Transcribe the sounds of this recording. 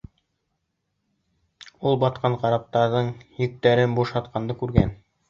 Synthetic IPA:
ulˠbɑt̪qɑɴqɑɾɑp̚t̪ɑɾðɤɴjɘ̆k̚t̪æɾɘnbuʃɑt̪̚qɑnd̪ɤkʉɾɡæ̰n

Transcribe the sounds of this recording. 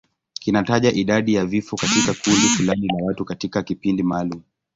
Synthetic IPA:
kinataʄaʔiɗaɗijavifɔkatikakundifulanilawatukatikakipindimaːlumu

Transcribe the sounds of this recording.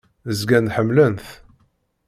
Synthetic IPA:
əzɡænħəmːlənθ

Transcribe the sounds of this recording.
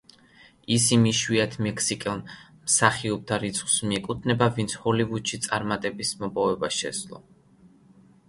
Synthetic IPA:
isimiʃwiat̪ʰmɛkʰsikʼɛlˠ | msaχiɔb̚t̪ʰaɾit̪sʰχwsmiɛkʼut̪ʰnɛbavint̪sʰhɔlivud̪ʃit̪sʼaɾmat̪ʼɛbismɔpʼɔvɛbaʃɛ̰slˠɔ̰

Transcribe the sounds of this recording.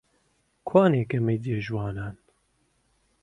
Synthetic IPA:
kʰaːneːkɛmɛjd̪ijeʒwɑːnaːn

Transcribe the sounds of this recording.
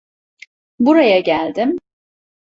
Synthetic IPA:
buɾajaɟælʲd̪ɪm

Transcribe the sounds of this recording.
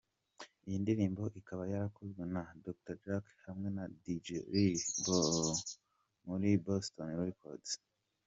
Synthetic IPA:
ijindiɾiːmbo̞ʔikaβajaɾakuzɡenadok̚taɾd͡ʒakhamŋe̞nadid͡ʒeɾibo | muɾibostonβuɾikʰo̰d̥e̥

